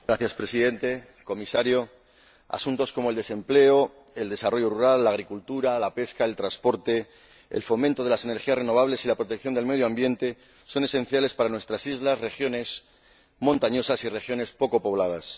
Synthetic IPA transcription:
ɡɾaθjaspɾe̞siðe̞nt̪e̞ | ko̞misaɾjo̞ | a̰sunt̪o̞sko̞moe̞ld̪e̞se̞mple̞o̞ | e̞ld̪e̞saro̞ʝoruɾalːaːɣ̞ɾikult̪uɾalape̞skae̞lt̪ɾãnspo̞ɾt̪e̞ | ḛlfo̞mẽnt̪o̞ð̞e̞lase̞ne̞ɾxiasre̞no̞β̞aβle̞silapɾo̞t̪ekθjond̪elme̞ðjoambje̞nt̪e̞ | so̞ne̞sẽ̞n̟θjale̞spaɾanwe̞st̪ɾasizlasre̞xjo̞ne̞s | mõ̞nt̪aɲo̞sasire̞xjo̞ne̞spo̞ko̞po̞β̞lað̞as

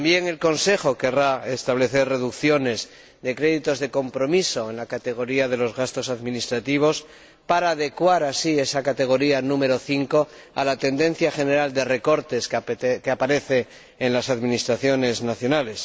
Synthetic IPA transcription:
ambje̞ŋe̞lko̞nse̞xo̞ke̞raest̪aβ̞le̞θe̞rre̞ðukθjo̞ne̞z | ðe̞kɾe̞ðit̪o̞zðe̞ko̞mpɾo̞miso̞e̞nlakat̪e̞ɣ̞o̞ɾiað̞e̞lo̞zɣast̪o̞saðmĩnist̪ɾat̪iβ̞o̞s | paɾaːðe̞kwaɾasie̞sakat̪e̞ɣ̞o̞ɾianũme̞ɾo̞θiŋko̞ | a̰lat̪e̞nd̪ẽ̞n̟θjaxe̞ne̞ɾald̪e̞re̞ko̞ɾt̪e̞skeapaɾe̞θe̞ː | nlasaðminist̪ɾaθjo̞ne̞znaθjo̞nale̞s

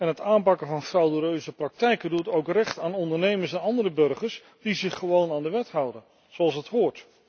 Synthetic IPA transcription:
ɛnɦətaːmpɑkəvɑnfrawduɾøɥzəprɑk̚tɛjkədutowkrɛχtaːnɔndəɹnejməɹsɛnɑndəɾəbɵrχəɹs | d̥izɪχːəʋownaːndəʋɛtɦʌwdən | z̥owɑlˠsɦətɦʊːɹt

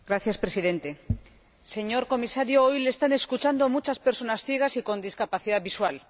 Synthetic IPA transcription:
ɡɾaθjaspɾe̞siðe̞nt̪e̞ | se̞ɲo̞ɾko̞misaɾjoo̞jle̞ːst̪ane̞skut͡ʃand̪omut͡ʃaspe̞ɾso̞nasθjeɣ̞asikõ̞nd̪iskapaθiðaβiswal

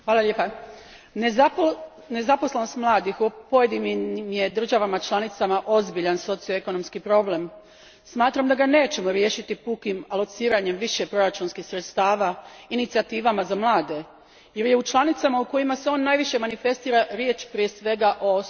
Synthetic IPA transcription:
xʋaːlˠalʲepa | ne̞zapo̞slˠeno̞st̪mlˠaːd̪ixopojed̪imimje̞d̪r̩ʒaʋamat͡ʃlˠanit̪samaʔo̞zbiʎanso̞t̪sijoeko̞no̞mskipɾo̞ble̞m | smaːt̪ɾamd̪aɡane̞ːt͡ɕe̞mo̞ɾje̞ːʃit̪ipukimalˠo̞t̪siːɾaɲe̞mʋiʃe̞pɾo̞ɾat͡ʃuːnskixsɾe̞t̪st̪aːʋainit̪siat̪iːʋamazamlˠaːd̪e̞ | je̞ɾje̞ut͡ʃlˠanit̪samauko̞jimase̞o̞ːnːaːjʋiʃje̞manife̞st̪iːɾaɾje̞ːt͡ʃpɾie̞sʋe̞ɡaʔo̞

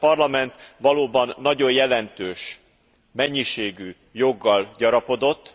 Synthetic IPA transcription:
pɒrlɒmɛnt̪ʋɒloːbɒnːɒɟo̞jjɛlɛnt̪øːʃ | mɛɲːiʃeːɡy | jo̞ɡːɒlɟɒɾɒpo̞d̪o̞t̪ː

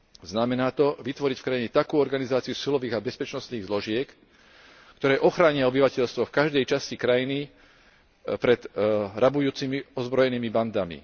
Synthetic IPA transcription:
znamɛnaːt̪ɔʋit̪ʋɔɾicfkɾaiɲɛt̪akuːɔɾɡanizaːt͡sijusilɔʋiːɣabɛspɛt͡ʃnɔst̪niːɣzlɔʒɪɛk | kt̪ɔɾɛːʔɔxɾaːɲɪaɔbiʋacɛʎst̪ʋɔfkaʒd̪ɛjt͡ʃascikɾajini | pɾɛd̪ɾabujuːt͡simiɔzbɾɔjɛniːmiband̪amḭ

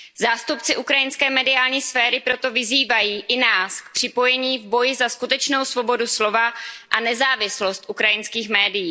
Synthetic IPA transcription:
zaːst̪upt͡sɪʔukɾajɪnskɛːmɛdɪaːlɲiːsfɛːɾɪpɾo̞t̪o̞vɪziːvajiːʔɪnaːsk̚pr̥ɪpo̞jɛɲiːvbo̞jɪzaskut̪ɛt͡ʃno̞wsvo̞bo̞duslo̞vaʔanɛzaːvɪslo̞st̪ʔukɾajɪnskiːxmɛːdɪjiː

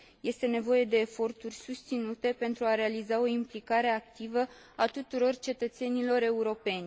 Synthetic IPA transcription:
je̞st̪e̞ne̞vo̞je̞d̪e̞ːfo̞rt̪urʲsust̪sinut̪e̞pe̞nt̪ɾuaɾe̞alizao̞implikaɾe̞ak̚t̪ivə | at̪ut̪uɾo̞rt͡ʃe̞t̪ət̪se̞nilo̞ɾe̞uɾo̞pe̞nʲ

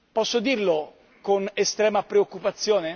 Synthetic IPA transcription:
pɔsːod̪iːrlo | konest̪ɾɛːmapɾeokːupat̪sːjoːne

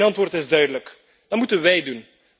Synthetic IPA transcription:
nɑntʋoːrtɪzdœɥdələk | d̥ɑtmutənʋɛjdun

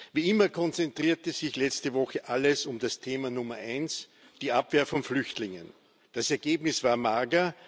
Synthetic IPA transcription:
viːɪmɐkʰɔnt͡sɛntʁ̥iːɐtəzɪçlɛt͡stəvɔxəʔaləsʊmd̥astʰeːmɐnʊmɐʔæɪns | d̥iːapveːɐfɔnflʏçtlɪŋə̰n | d̥asɛɐɡeːbnɪsv̥aːɐmaɡɐ

